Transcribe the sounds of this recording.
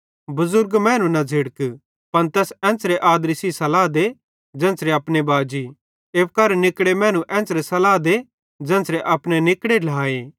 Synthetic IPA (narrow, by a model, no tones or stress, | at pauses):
bʊzʊɾɡmɛ̃ːnũnɐd͡zʱɪɽək | pɐnt̪ɛːsɛ̃ːsɾeʔaːd̪ɾisisɐlaːd̪e | d͡ʒɛ̃ːsɾeɐpnebaːd͡ʒi | eːpkɐɾnɪkɽemɛ̃ːñũʔɛ̃ːsɾesɐlaːd̪e | d͡ʒɛ̃ːnsɾeʔɐpnenɪkɽelaːeː